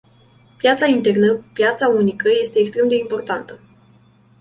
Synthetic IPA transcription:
pjat̪saint̪e̞rnəpjat̪saunikəje̞st̪e̞ːkst̪ɾe̞md̪e̞impo̞rt̪ant̪ə

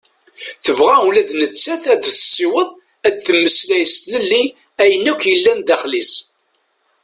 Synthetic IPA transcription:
θəvʁæwlæðnət͡sːæθæd̪θsiwəðˤ | æd̪̚θəmːəslæjəst̪ləlːi | æjənːækʷjəlːænd̪æχlis

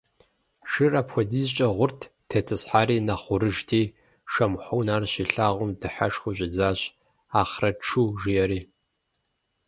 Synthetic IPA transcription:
ʃɨrɐpʰxʷɔdiːzt͡ʃʼɐʁʷʊrtʰtʰɐtʰɨsħaːɾiːnɐχʷʊɾɨʒtʰiː | ʃɐmħʷʊwnaːrɕiɬaːʁʷʊmdɨħa̰ʂχʷʊɕʼɪd͡zaːɕ | aːχrɐʈ͡ʂʰuːʒɪjɛɾiː

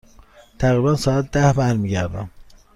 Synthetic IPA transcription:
t̪ʰæɣɾibænsɒːæt̪̚d̪æhbæɾmiːɟæɾd̪æ̰m

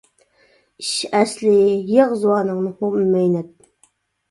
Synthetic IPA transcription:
iʃɛslɪjɑʁzuwɑːnɨŋnɨhopmmɛjnɛt̪̚

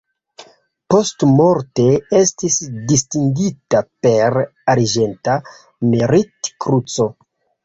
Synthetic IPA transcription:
po̞stmoɾte̞estisdistiŋɡitape̞ɾaɾd͡ʒe̞nta | meɾitkɾut͡so̞

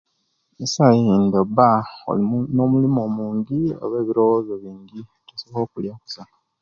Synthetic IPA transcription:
misajindo̞bao̰lino̞mulimo̞muːɲɟio̰βe̞ːβiɾo̞wozo̞βiːɲɡi | tusoβo̞ːkuljaku̥sa

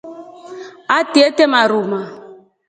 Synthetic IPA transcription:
atietɛmaɾuma

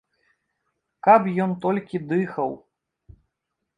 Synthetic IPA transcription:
kɐpjɔnt̪ɔlʲkʲid̪ɨxɐw

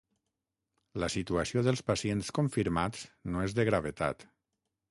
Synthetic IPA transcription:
ləsit̪uasioðəlˠspasienskoɱfiɾmat͡snoezðəɣɾaβ̞et̪a̰t̪

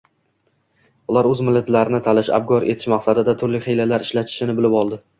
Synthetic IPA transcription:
ʊlˠaɾɵzmɪlːat̪laɾɪnɪt̪ʰalɪʃa̰b̚ɡɒɾʔe̞t̪ʰɪ̥ʃmaqsad̪ɪd̪at̪ʰʊɾlɪχejlalaɾɪʃlat̪ʰɪ̥ʃɪnɪbɪlɪpɒlˠd̪ɪ

